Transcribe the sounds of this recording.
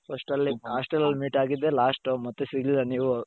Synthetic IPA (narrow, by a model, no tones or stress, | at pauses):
pʰɐsʈɐlːiɦaːsʈelɐlmiːʈaːɡid̪ːe̞laːsʈmɐt̪ːesiɡlilːaniːʋu